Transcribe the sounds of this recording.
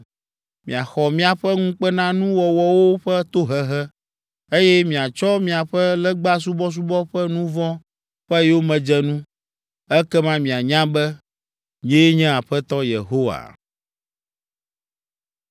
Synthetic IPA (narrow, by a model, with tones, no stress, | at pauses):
mĩ˨a˨xɔ˨mĩ˦a˨ɸɛ˦ŋũ˦k͡pɛ˦nã˦nũ˦wɔ˨wɔ˦wo˦ɸɛ˦t̪o˦ɦɛ˨ɦɛ˦ | e˦jɛ˦mĩ˨a˨t͡ʃɔ˦mĩ˨a˨ɸɛ˦lɛ˦ɡ͡ba˦s̬u˦bɔ˦s̬u˦bɔ˦ɸɛ˦nũ˦vɔ̃˦ | ɸɛ˦jɛ˦wo˦mɛ̃˨d͡ʒɛ˦nũ˦ | ɛ˦kɛ˦mã˦mĩ˨a˨ɲã˦bɛ˦ | ɲ̃˨ɛ̃˦je˦ɲɛ̃˦a˨ɸɛ˦t̪ɔ˦jḛ˨ɦo˦wa̰˨